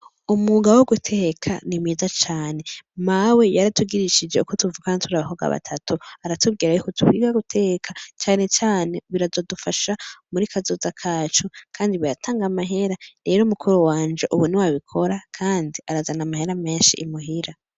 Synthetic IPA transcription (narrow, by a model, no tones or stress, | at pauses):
umuɡawoɡutʰe̞kʰa̰nimiːzat͡ʃaːne̞mawe̞jaɾatuɡiɾiʃid͡ʒeukotuvukanitʰuɾaβahoɡa̰βa̰tʰatʰuaɾatubɡiːɾajokotʰuβwiɡaɡutʰekʰat͡ʃaːne̞t͡ʃaːne̞βiɾazo̞dufaʃamuɾikʰazo̞zakʰaːt͡ʃokʰaːndiβiɾatʰaːŋɡamaɦe̞ɾaɾe̞ːɾomukʰuɾuwaːnd͡ʒe̞ʔuβuniwaβikʰo̞ɾakʰaːndiaɾazanamahe̞ɾame̞ːnʃḭːmuɦiɾa